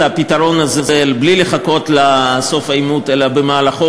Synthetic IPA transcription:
apit̪aɾo̞nazezelblileχako̞t̪laso̞fajmut̪elabemaːlaχo

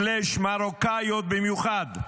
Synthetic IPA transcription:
leʃmaɾokajot̪̚bimjuχad̪

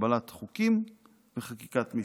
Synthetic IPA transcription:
balat̪χukim | veχakikat̪mi

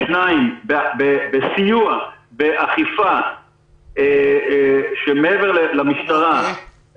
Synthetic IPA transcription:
najbebebesijuabeʔaχifa | e | ʃemeeveʁlelamiʃt̪aʁa

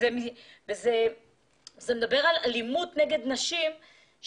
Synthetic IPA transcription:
emiveze | zemed̪abe̞ʁalalimut̪neɡe̞d̪naʃim | ʃ

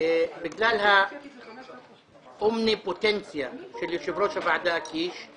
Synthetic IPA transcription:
bɪɡlaːlha | ʔʊmnipʊt̪ɛnsjaʃɪlːiʃɪbɾoːʃabaʕd̪aʔakiːʃ

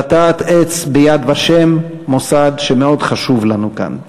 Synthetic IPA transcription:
at̪aːt̪et͡sbejad̪vaʃe̞mː | o̞sad̪ʃemeo̞d̪χaʃuvlanuka̰n

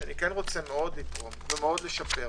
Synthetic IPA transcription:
anikenʁo̞t͡semeo̞d̪lit̪ʁo̞mvemeo̞dle̞ʃape

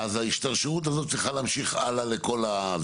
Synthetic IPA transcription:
azaiʃt̪aʁʃeut̪̬azot̪̚t͡s̪lʁiχalaːmʃiχa̰laleko̞la

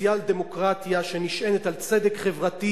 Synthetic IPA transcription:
jald̪emo̞kʁat̪jaʃeniʃʔenet̪alt͡sed̪ekχevʁat̪i

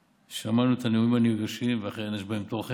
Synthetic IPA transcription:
ʃeamanuet̪aneuimaniɡaʃimveaχeenaʃbahemt̪olχe

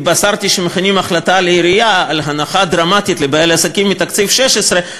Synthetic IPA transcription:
basaʁt̪iʃemeχinimaχlat̪aleiɾijaːlɦanaχad̪ɾamat̪it̪lebaelasakimːit̪akt͡sifʃeʃesʁe

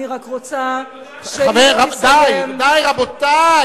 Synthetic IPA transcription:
iʁakʁot͡sa | aveʁad̪ajd̪ajʁabot̪a

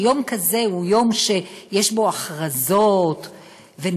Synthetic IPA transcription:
jo̞mkaze̞hujo̞mʃejeʃbo̞aχʁazot | ve

